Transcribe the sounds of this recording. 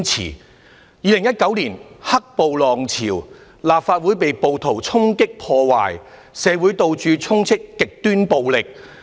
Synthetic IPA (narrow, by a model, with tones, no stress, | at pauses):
t͡sʰḭː˨˩ | jiː˨˧lɪ˨˩ŋjɐ˥t̚kɐ˨˥wli˨˩nhɐ˥k̚po˨wlɔː˨ŋt͡sʰḭː˨˩w | laː˨p̚faː˧t̚wuː˨˥jpe˨jpo˨wt̪ʰo˨˩wt͡sʰʊ˥ŋkɪ˥k̚pʰɔː˧wa̰ː˨j | sɛː˨˧wuː˨˥jt̪o˧wt͡ʃyː˨˧t͡sʰʊ˥ŋt͡sʰɪ˥kːɪ˨k̚t̪yː˥npo˨wlɪ˨k̚